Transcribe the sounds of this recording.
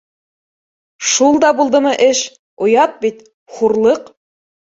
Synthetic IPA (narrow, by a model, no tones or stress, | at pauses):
ʃulˠd̪ɑbulˠd̪ɤmɤʔɘʃ | ŏjɑt̪̚bit̪ | χuɾlˠɤq